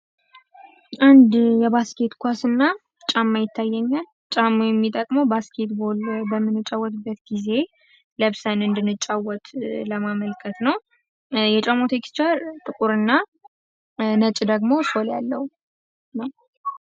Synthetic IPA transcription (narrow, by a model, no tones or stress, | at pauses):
ʔand̪jɛβaskʰe̞t̪kʷasɨnːa | t͡ʃʼamːajɪt̪ʰːajːɛɲːal | t͡ʃʼamːojɛmːit̪ʼəkʼmowbaskʰe̞t̪bo̞lbəmːɨnːɨt͡ʃʼːawːɔt̪bːət̪ɡize̞ | ləβsənɨnd̪ɨnːɨt͡ʃʼawɔt̪ləmaməlkʰət̪nəw | jɛt͡ʃʼamot̪ʰe̞kst͡ʃaɾt̪ʼɨkʼuɾɨnːa | nət͡ʃʼd̪əɡmo̞so̞ljalːəhu | naw